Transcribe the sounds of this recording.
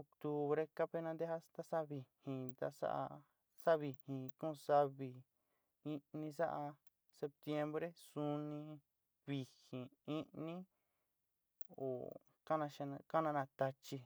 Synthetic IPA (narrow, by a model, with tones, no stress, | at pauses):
o˧kt̪u˧βɾe˧ka˦pe˦˧nã˧d̪e˦ha˦st̪a˦sa˦βi˨hĩ˨t̪a̰˧sa̰˦ʔa̰˧ | sa˦βi˧hĩ˨kũ˦˧sa˦βi˧ | i˧nĩ˧sa˦ʔa˧ | se˧p̚t̪je˧mbɾe˦su˧nĩ˧ | βi˨hĩ˨i˦ʔnĩ˦ | o̰˨ | ka˦nã˧ʃa˧ñ˧ka˦nã˧nã˧t̪a˧t͡ʃi˧